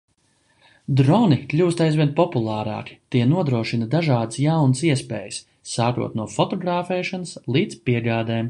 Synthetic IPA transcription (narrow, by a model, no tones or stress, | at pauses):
d̪ɾɔniklʲuːst̪ajzvʲiɛnpɔpulˠɑːɾɑ̰ːki̥t̪iɛnuɔd̪ɾuɔʃinad̪aʒaːd̪əsjawnəsiɛspḛːjəsː | aːkṵɔt̪nuɔfɔt̪ɔɡɾaːfɛːʃanəslˠiːd̪spiɛɡaːd̪eːm